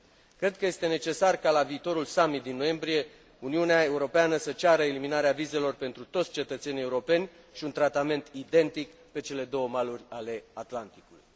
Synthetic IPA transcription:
kɾe̞d̪̚kəje̞st̪e̞ne̞t͡ʃe̞sarkalaviːt̪o̞ɾulsamit̪̚d̪inːoje̞mbɾije̞ | uniuneae̞uɾo̞peanəsət͡ʃaɾəeliminaɾeavize̞lo̞rpe̞nt̪ɾut̪ot̪sʲt͡ʃe̞t̪ət̪se̞nieuɾo̞pe̞nʲ | ʃiunt̪ɾat̪ame̞nt̪id̪e̞nt̪ik | pe̞t͡ʃe̞le̞d̪o̞wəmalurʲale̞at̪lant̪i̥kulujj

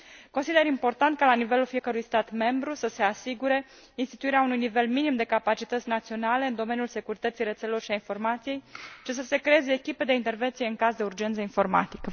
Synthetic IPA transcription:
ko̞nsid̪eɾimpo̞rt̪ant̪̚kalanive̞lulfije̞kəɾujst̪at̪me̞mbɾusəse̞asiɡuɾe̞ | inst̪i̥t̪uiɾeaunujnive̞lminimd̪e̞kapat͡ʃit̪ət̪sʲnat̪sio̞nale̞ɨnd̪o̞me̞njulse̞kuɾit̪ət̪sijret̪selelo̞rʃiainfo̞rmat̪sije̞jt͡ʃis̬əse̞kɾe̞eze̞ːkʲipe̞d̪e̞int̪e̞rve̞nt̪sije̞ɨŋkazd̪e̞urd͡ʒe̞nt̪səinfo̞rma̰t̪i̥kə

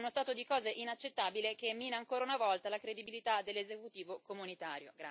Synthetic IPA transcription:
unost̪aːt̪od̪ikɔːzeʔinat͡ʃːet̪ːaːbilekemːinaːŋkoːɾaunavɔlt̪alakɾed̪ibilit̪ad̪elːezekut̪iːvokomunit̪aːɾjo̰ɡɾa

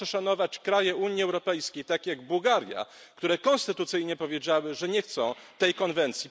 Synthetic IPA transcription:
ɛʂanɔvat͡ɕkɾajɛʔuɲiɛwɾɔpɛjskʲejt̪akʲjaɡbuwɡaɾja̰ | kt̪uɾɛkɔñst̪ɘt̪ut̪sɘjɲɛpɔvʲjed͡ʑawɘʐɛɲɛxt̪sɔ̃w̃t̪ɛjkɔnvɛnt̪sʲji

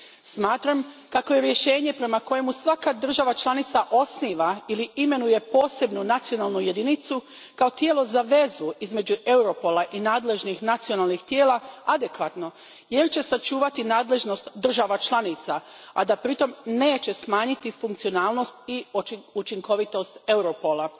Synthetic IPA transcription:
smaːt̪ɾam | kako̞je̞ɾje̞ʃe̞ːɲe̞pɾe̞mako̞jemusʋakad̪r̩ʒaʋat͡ʃlˠanit̪saʔo̞sniːʋailiime̞nuje̞po̞ːse̞bnunat̪sio̞nalˠnuje̞d̪init̪su | kao̞t̪jelˠo̞zaʋe̞zuizme̞d͡ʑue̞uɾo̞po̞laʔinaːd̪le̞ʒnixnat̪sio̞nalˠnixt̪je̞ːlˠaad̪e̞kʋat̪no̞ | je̞ɾt͡ɕe̞sat͡ʃuːʋat̪inaːd̪le̞ʒno̞st̪d̪r̩ʒaʋat͡ʃlˠanit̪saa̰d̪apɾit̪o̞mne̞ːt͡ɕe̞smaːɲit̪ifuŋkt̪sio̞naːlˠno̞st̪iut͡ʃiŋko̞ʋit̪o̞st̪e̞wɾo̞po̞la

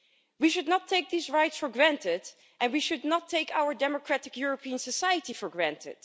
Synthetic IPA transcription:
wiʃʊdⁿnətʰeɪk̚ðisɹajtsfɔɹɡɹæ̃ntɪd | ʔɛ̃nwiʃʊdnɔtʰːeɪkawəɹdɛmɔkɹætɪkjʊɹəpiə̃nsəsajətifɔɹɡɹæ̃ntʰɪ̰d̥

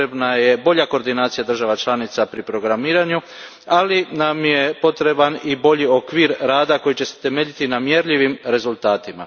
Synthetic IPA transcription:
ebnaje̞bo̞ʎako̞ɾd̪inaːt̪sijad̪r̩ʒaʋat͡ʃlˠanit̪sapɾipɾo̞ɡɾamiːɾaɲu | alinamje̞po̞t̪ɾe̞banibo̞ʎio̞kʋiːɾɾaːd̪ako̞jit͡ɕe̞set̪e̞meːʎit̪inamje̞ɾʎiʋimɾe̞zulˠt̪aːt̪ima̰

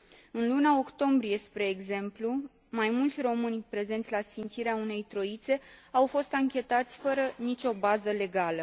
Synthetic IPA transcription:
ɨnlunao̞kt̪o̞mbɾije̞spɾe̞ːɡze̞mplu | majmult̪sʲro̞mɨnʲpɾe̞ze̞nt̪sʲlasfint̪siɾeaune̞jt̪ɾo̞it̪se̞awfo̞st̪aŋkʲe̞t̪at̪sʲfəɾənit͡ʃʲo̞bazəle̞ɡalə

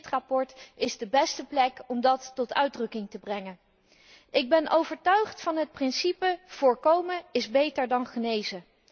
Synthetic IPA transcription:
trapɔɹtɪzdəbɛstəplɛkɔmdɑtːɔtœɥdrɵkɪŋtəbrɛŋən | ʔɪɡ̚bɛnʔowvəɹtœɥχtfɑnɦət̚prɪnsipəv̥ʊːɹkowməɪzbejtəɹdɑnχənejzə

